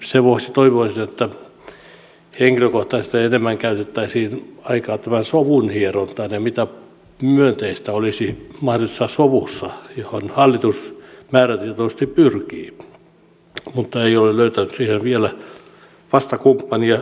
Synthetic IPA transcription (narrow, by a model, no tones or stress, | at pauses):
seʋohsit̪oiʋoisinet̪ːæ | heŋkiløkoht̪ɑisest̪eenemːæŋkæyt̪et̪ːæisiːnɑikɑːt̪æmænsoʋunhieront̪ɑinjɑmit̪æ | myønt̪eist̪æolisimɑhroesːɑsoʋusːɑjohonhɑlːit̪usmæːræt̪iet̪ost̪ipyrkiː | mut̪ːɑeiolelløyt̪ænyssihenʋielæ | ʋɑst̪ɑkumpːɑniɑ